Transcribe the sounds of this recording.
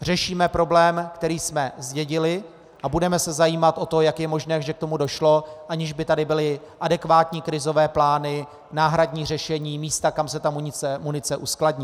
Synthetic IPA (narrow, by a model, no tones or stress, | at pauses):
r̝ɛʃiːmɛpɾo̞blɛːmkt̪ɛɾiːsmɛzɟɛɟɪlɪ | ʔabudɛmɛsɛzajiːmat̪ʔo̞t̪o̞jakjɛmo̞ʒnɛːʒɛk̚t̪o̞mudo̞ʃlo̞ʔaɲɪʒbɪt̪adɪbɪlɪ | ʔadɛkvaːt̪ɲiːkɾɪzo̞vɛːplaːnɪ | naːɦɾadɲiːr̝ɛʃɛɲiːmiːst̪akamsɛt̪amuɲɪt͡sɛmunɪt͡sɛʔuskladɲiː